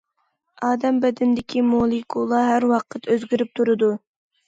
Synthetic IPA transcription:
ɑːd̪ɛmbɛd̪ɪnd̪ɪkʲʰimolˠikʰulˠɑɦæɾwɑqʰət̪ʰøzɡʲyɾyp̚t̪ʰuɾɨd̪u

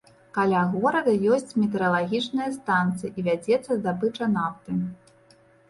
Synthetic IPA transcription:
kalʲaɣɔɾɐɣɐjɔsʲt͡sʲmʲɛt̪ɛɾɐlˠaɣʲit͡ʂnɨjɐst̪ant̪sɨjiʔivʲad͡zʲɛt̪sːɐzd̪abɨt͡ʂɐnaft̪ɨm

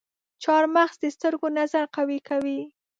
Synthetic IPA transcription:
t͡ʃɑɾmaxsd̪əst̪əɾɡonazaɾqawikawi

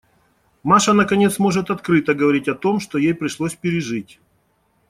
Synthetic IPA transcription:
maʂənəkɐnʲe̞t̪smo̞ʐɨt̪ɐt̪kɾɨt̪əɡəvɐɾʲitʲɐt̪o̞mʂt̪ojejpɾʲɪʂlˠosʲpʲɪɾʲɪʐɨtʲ

